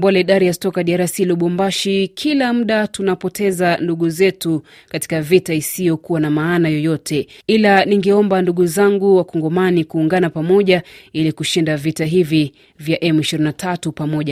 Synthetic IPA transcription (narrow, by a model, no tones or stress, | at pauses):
mbɔlɛiɗaɾijastɔkaɗiaɾasiluɓɔmbaʃikʰilam̩ɗatunapɔtʰɛzanduɠuzɛtu | kati̥kavitaisijɔkuwanamaːnajɔjɔtʰɛilaniŋɡɛɔmbanduɠuzaŋɡuwakɔŋɡɔmanikuːŋɡanapamɔʄailikuʃindavitaɦivi | vjaʔɛmiʃiɾinatʰatupamɔʄa